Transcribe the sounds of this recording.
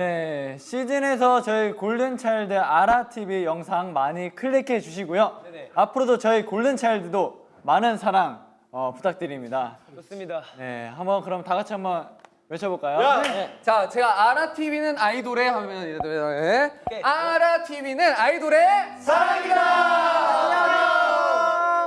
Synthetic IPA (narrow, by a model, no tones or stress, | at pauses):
ne̞ɕʰid͡ʑine̞s̬ʰʌt͡ɕʌikoɭdɯnt͡ɕʰaiɭdɯaɾatʰibijʌŋsʰaŋmaɲikʰɯɭːekʰed͡ʑuɕ̬ʰiɡojoapʰɯɾodot͡ɕʌikoɭdɯnt͡ɕʰaiɭdɯdo | manɯnsʰaɾaŋ | ʌpu̥tʰak̚t͈ɯɾimɲidadane̞̰hambʌnkɯɾʌmtakat͡ɕʰiɦambʌn | met͡ɕʰʌboɭk͈ajot͡ɕat͡ɕe̞ɡaːɾatʰibinɯnaidoɾe̞hamjʌnieaɾatʰibinɯnaidoɾe̞sʰa